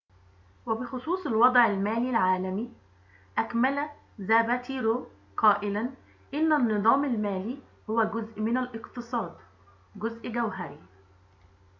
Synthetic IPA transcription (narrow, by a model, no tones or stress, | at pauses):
wæbɪxʊsˤuːsˤɑlwɑd̪ˤʕalmæːlilʕaːlami | ʔækmælæ | zæːbæt̪iːɾoː | qʰɑːʔɪlan | ʔɪnːanːɨðˤɑːmalmæːliː | hʊwæɡʊzʔmɪnalʔɪqt̪ɨsˤɑːd̪ | ɡʊzʔɡawɦaɾi